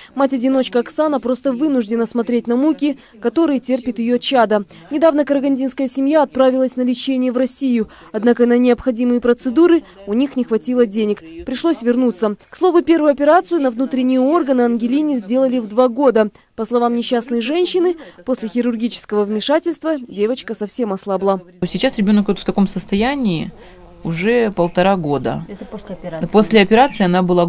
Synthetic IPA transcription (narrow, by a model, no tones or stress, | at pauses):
matʲɐdʲɪno̞t͡ɕkəɐksanəpɾo̞st̪əvɨnʊʐdʲɪnəsmɐt̪ɾʲet̚ʲnɐmukʲɪ | kɐt̪o̞ɾɨjətʲerpʲɪt̪jɪjot͡ɕːad̪ə | nʲɪd̪avnəkəɾəɡɐnʲdʲinskəjəsʲɪmʲjaɐt̪̚pɾavʲɪlˠəsʲnəlʲɪt͡ɕenʲɪjəvrɐsʲijʊ | ɐd̪nakənənʲɪəpxɐdʲimɨjəpɾət̪sɨd̪uɾɨ | ʊnʲixnʲɪxvɐtʲilˠədʲenʲɪkpɾʲɪʂlˠosʲvʲɪrnut̪səkslˠo̞vʊpʲe̞rvʊjʊɐpʲɪɾat̪sɨjʊnəvnut̪ɾʲɪnʲɪjʊo̞rɡənɨɐnɡʲɪlʲinʲɪzʲdʲe̞lˠəlʲɪvd̪vaɡo̞d̪ə | pəslˠɐvamnʲɪɕːasnəjʐɛnʲɕːɪnɨposʲlʲɪxʲɪɾʊrɡʲit͡ɕɪ̥skəvəvmʲɪʂatʲɪlʲst̪vədʲe̞vət͡ɕkəsɐfsʲe̞mɐslˠablˠa | sʲɪt͡ɕasɾʲɪbʲo̞nəkʲot̪ft̪ɐko̞msəst̪ɐjænʲɪː | ʊʐɛpəlˠt̪ɐɾaɡo̞d̪ə̰ | posʲlʲɪɐpʲɪɾat̪sɨːɐnabɨlˠa